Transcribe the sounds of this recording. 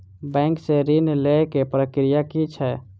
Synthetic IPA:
bɛ̃ŋkseɾinlekepɾəkɾijakit͡ʃʰɛ

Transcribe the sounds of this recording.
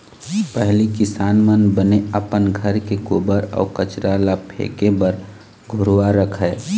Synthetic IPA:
pɛɦlikɪsaːnmənbəneəpənɡʱəɾkekoːbəɾɔ̰ːkət͡ʃɾalapʰḛːkebəɾ | ɡʱʊɾʋaɾəkʰɛː

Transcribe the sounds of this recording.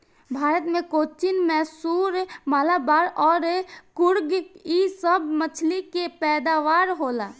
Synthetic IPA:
bʱaːɾət̪mẽkoːt͡ʃinmɛːsuːɾmaːlabaːɾɔːɾkʊɾɡisəbmət͡ʃʰlikepɛːd̪aʋaːɾɦoːla

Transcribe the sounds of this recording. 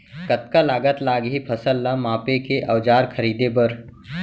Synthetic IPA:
kət̪kalaːɡət̪laːɡɦipʰəsəlːamaːpekeʔɐʋd͡ʒaːɾkʰəɾiːd̪ebəɾ

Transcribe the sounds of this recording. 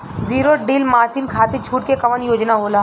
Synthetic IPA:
ziːɾoɖiːlmaːsiːnkʰaːt̪et͡ʃʰuːʈkekɐʋənjoːd͡ʒnaɦoːlaː

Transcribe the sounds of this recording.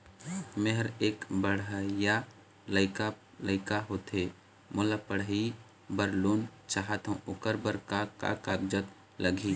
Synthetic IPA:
mẽɦəɾeːkbəɽəja | ləɪka | ləɪkaɦoːt̪eː | mʊːlapəɽ̤i | bəɾloːnt͡ʃaːɦət̪ɦũʔʊkəɾbəɾkaka̰kaːbd͡ʒət̪ | lʔəɡʱi

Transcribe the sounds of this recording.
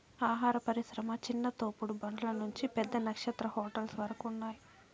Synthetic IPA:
aːɦaːɾɐpɐɾiʃɾɐmɐt͡ʃinːɐt̪oːpuɽubɐɳɖɐlɐnuɲt͡ʃipɛd̪ːɐnɐkʂɐt̪ɾɐhɔːʈɐlsʋɐɾɐkunːaːji

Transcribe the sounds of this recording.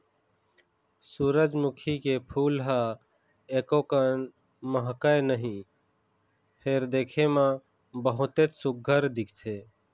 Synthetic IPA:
suːɾəd͡ʒmʊkʰikepʰuːlɦa | eːkokən | məɦkaenəɦĩː | pʰeːɾd̪eːkʰemã | bəɦʊt̪eːt̪sʊɡ̚ʱəɾd̪ɪkʰt̪ʰeː

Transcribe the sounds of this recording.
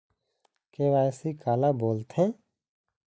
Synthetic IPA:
keːʋaːjsikaːlaboːlt̪ɦɛ̃ː

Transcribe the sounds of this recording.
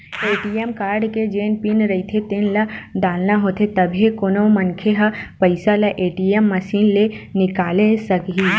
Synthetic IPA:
eːʈiːemkaːɾɖked͡ʒeːnpinɾɐɦit̪ʰet̪enlaɖaːlnaɦoːt̪ʰet̪ɐbʱikonomɐnkʰeɦapəɪsalaʔeːʈiemːɐsiːnle | nɪkaːlesɐkɦiː

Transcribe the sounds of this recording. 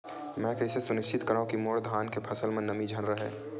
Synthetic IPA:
mɛ̃ːkɐɪsesʊnɪʃt͡ʃɪt̪kəɾaːɦũkimoːɽd̪ʱaːnkepʰɐsəlmẽnəmid͡ʒʱənɾəɦɛ̰ː

